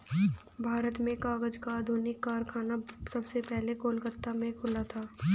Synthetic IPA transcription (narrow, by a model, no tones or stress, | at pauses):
bʱaːɾət̪mẽkaːɡəd͡ʒkaːd̪ʱoːnɪkːaːɾkʰaːnasɐbsepɛɦlekoːlkət̪ːamẽkʰʊlat̪ʰaː